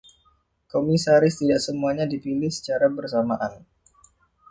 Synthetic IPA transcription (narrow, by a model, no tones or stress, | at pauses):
komisaɾɪst̪idaʔsəmuaɲadipilɪhsə̥t͡ʃaɾabərsamaʔan